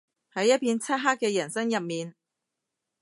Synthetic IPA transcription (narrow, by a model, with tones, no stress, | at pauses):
hɐ˨˥jːɐ˥t̚pʰiː˧nt͡sʰɐ˥t̚ɦaː˥k̚ːɛː˧jɐ˨˩nsɐ˥ŋjɐ˨p̚miː˨n